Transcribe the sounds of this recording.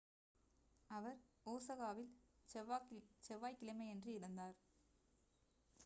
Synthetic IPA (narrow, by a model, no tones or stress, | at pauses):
ɐʋɐɾoːsɐɣaːʋɪl | t͡ʃɛʋːaːjkɪlɐmɐendrɯɪɽɯnd̪aːɾ